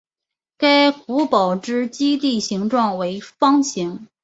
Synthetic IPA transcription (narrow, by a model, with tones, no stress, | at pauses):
ka˥ɪku˧˥pɑ˨˩ʊʈ͡ʂɻ̩˥˩t͡ɕi˥t̪i˥˩ɕi˧˥ŋʈ͡ʂwɑ˥˩ŋwe˧˥ɪfɑ˥ŋɕʰi˧˥ŋ